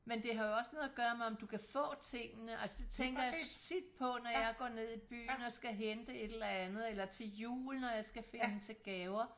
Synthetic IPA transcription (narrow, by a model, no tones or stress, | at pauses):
mend̥e̝ɦɑ̈joɒ̽snɔ̽ð̩ˠɐɡ̥ɶːɐmɑ̈ɒ̽md̥ukʰæfɔ̰̽ːt͡sʰe̝ŋ̰ənəʔælsəd̥e̝t͡sʰeŋɡ̥ɐjasɒt͡sʰid̥̚pʰɒ̽nɒjjɑ̈ɪɡ̥ɒ̰ːne̝ð̰ˠib̥y̰ːn̩ɒ̽sɡ̥æɦend̥əe̝d̥ɾ̥elɐænð̩ˠelɐt͡sʰe̝ljṵːln̩ɒjɑ̈ɪsɡ̥æfe̝nədent͡sʰe̝lɡ̥ɛːʊɐ